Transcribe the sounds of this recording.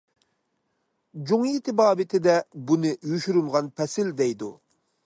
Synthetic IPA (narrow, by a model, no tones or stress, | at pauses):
d͡ʒuŋijit̪ʰɪbɑːbɪt̪ʰɪd̪ɛbunɨjuʃyɾymʁɑnpʰɛsɪld̪ɛjd̪u